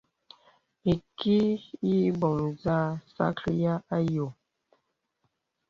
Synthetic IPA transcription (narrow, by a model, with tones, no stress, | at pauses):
i˨ki˦ji˦bɔ˨mza˦sa̰˦klja˦a˦jo˨